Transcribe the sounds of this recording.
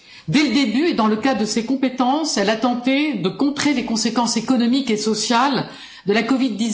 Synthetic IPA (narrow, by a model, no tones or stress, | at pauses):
d̪ɛləd̪ebyed̪ɑ̃ləkadd̪əsekɔ̃pet̪ɑ̃sɛlat̪ɑ̃t̪ed̪əkɔ̃t̪χelekɔ̃sekɑ̃sekɔnɔmikesɔsjal | d̪əlakɔvid̪ːiz